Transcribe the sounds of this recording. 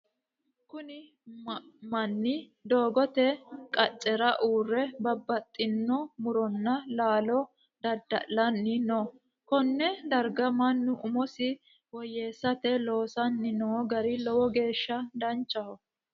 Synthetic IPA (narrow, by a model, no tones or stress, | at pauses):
kʊnɪ | mɐnːɪ | d̪o̞ːɡɔt̪ɛkʼɐt͡ʃʼːɛɾɐʔuːrːɛbɐbːɐt̪ʼːɪnːɔmʊɾɔnːɐlaːlɔ | d̪̥ɐd̪ːɐ̰ʔlɐnːɪnoː | kɔnːɛd̪ɐɾɡɐmɐnːʊʔʊmɔsɪ | wɔjːeːsːɐt̪ɛlo̞ːsɐnːɪnoːɡɐɾɪlɔwɔɡe̞ːʃːɐd̪ɐnt͡ʃʼːɐhɔ